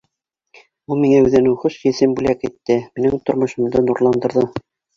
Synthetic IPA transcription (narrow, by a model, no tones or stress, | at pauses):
ulˠmiŋæʉðɘ̆nɘχoʃjɘ̆sɘmbʉlækit̪ːɘmĭnɘŋt̪ŏɾmŏʃɤ̆md̪ɤnuɾlˠɑnd̪ɤ̆ɾðɤ